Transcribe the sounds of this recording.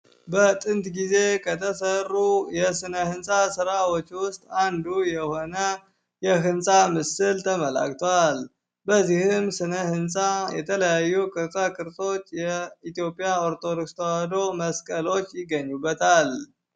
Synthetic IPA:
bət̪ʼɨnt̪ɡize̞kʰət̪ʰəsərːujɛsɨnəhɨnsʼasɨɾawot͡ʃːwʊst̪ʼand̪ujɛho̞nə | jɛɦɨnsʼamɨsɨlt̪ʰəməla̰kʼt̪ʰowal | bəzːihɨmsɨnəhɨnsʼajɛt̪ʰələjajːukʼɨɾt̪ʼakʼɨɾsʼo̞t͡ʃːjɛit̪jo̞pʼijaoɾt̪ʰo̞d̪okst̪ʰəwad̪o̞məskʼəlo̞t͡ʃːjɪɡəɲːubːət̪ʰal

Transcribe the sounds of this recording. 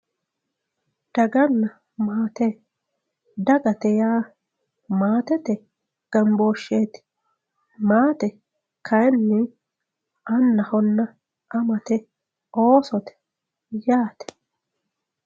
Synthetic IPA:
d̪̥ɐɡɐnːɐ | maːt̪ɛ | d̪ɐɡɐt̪ɛjaː | maːt̪ɛt̪ɛ | ɡ̥ɐmboːʃːeːt̪ɪ̥ | maːt̪ɛ | kʰɐjɛnːɪ | ɐnːɐhɔnːɐ | ʔɐmɐt̪ɛ | ʔoːsɔt̪ɛ̥ | jaːt̪ɛ̥

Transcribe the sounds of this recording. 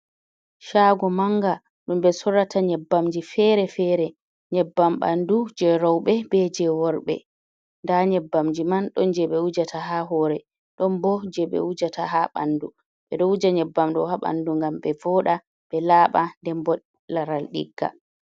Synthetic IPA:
ʃaːɡɔmaŋɡa | ɗumɓɛsɔɾatʰaɲɛbːamd͡ʒifɛɾɛfɛɾɛ | ɲɛbːamɓa̰ndud͡ʒɛɾɔwɓɛbɛd͡ʒɛwɔɾɓɛ̰ | ndaɲɛbːamd͡ʒimanɗɔnd͡ʒɛɓɛwud͡ʒatʰaɦaɦɔːɾɛ | ɗɔnbɔd͡ʒɛɓɛ̰wud͡ʒataɦaɓa̰ndu | ɓɛɗɔud͡ʒaɲɛbːamɗɔhaɓa̰nduŋɡamɓɛvɔːɗa | ɓɛlaːɓandɛmbɔ | laɾalɗḭɡːa̰

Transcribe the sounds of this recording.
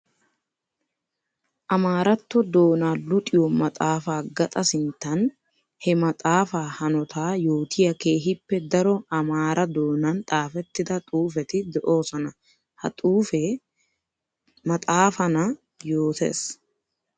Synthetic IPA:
ʔɐmaːɾɐt̪ːɔd̪o̞ːnaːlʊt̪ʼɪjɔmɐt̪ʼaːfaːɡɐt̪ʼɐsɪnt̪ːɐn | hɛmɐt̪ʼaːfaːhɐnɔt̪ʰaːjoːt̪ʰɪjɐke̞ːɦɪpːɛd̪ɐɾɔɐmaːɾʔɐd̪o̞ːnɐnt̪ʼaːfɛt̪ːɪd̪ɐt̪ʼuːfɛt̪ɪd̪ɛʔo̞ːsɔnɐ | hɐ̰t̪ʼuːfe | mɐt̪ʼaːfɐnɐ | joːt̪ʰḛːs

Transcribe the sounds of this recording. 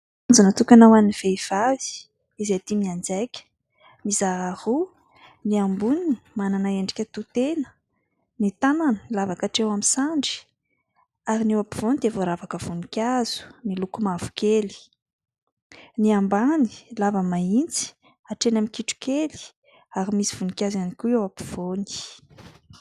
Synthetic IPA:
and͡zunət̪ukʲanawaniv̥eiv̥avi̥ | izet̪imiand͡zajkʲə̥ | mizaahu | niambunini̥mananaeɳɖ͡ʐikʲət̪ut̪enə̥ | nit̪ananəilavakaʈ͡ʂewamisaɳɖ͡ʐi̥ | aɾinewapiv̥onid̪evoɾavakəv̥unikʲaz̥u̥nilukumavu̥kʲeli̥ | niambani̥lavəmaint͡si̥ | aʈ͡ʂenamikiʈ͡ʂu̥keli̥ | aɾimisiv̥unikʲazanikʲuewapi̥v̥oni̥

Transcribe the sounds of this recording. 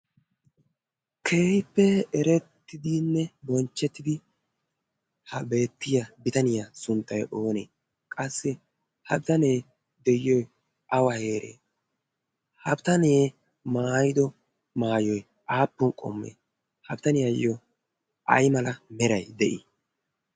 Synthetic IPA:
kʰe̞ːhɪpːɛɛɾɛt̪ːɪd̪ɪnːɛbɔnt͡ʃːɛt̪ːɪd̪ɪ | hɐbe̞ːt̪ːɪjɐbɪt̪ɐnɪjasʊnt̪ʼːɐjʔoːnḛː | kʼɐsːɛ | hɐbɪt̪ɐneː | d̪ɛjɪɔj | ʔɐwɐhe̞ːɾʔḛː | hɐbt̪ɐneː | maːjɪd̪ɔ | maːjɔj | ʔaːpːʊnkʼɔ̰mːḛː | hɐbt̪ɐnɪjɐjːɔ | ʔɐ̰jmɐlɐmɛɾɐjd̪ɛʔɪ̰

